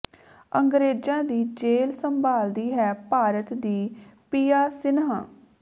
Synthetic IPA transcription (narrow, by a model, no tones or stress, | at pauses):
əŋɡɾeːd͡ʒãːd̪iːd͡ʒeːlsəmbaːld̪iːɦɛːpaːɾət̪d̪iːpiːjaːsɪnãː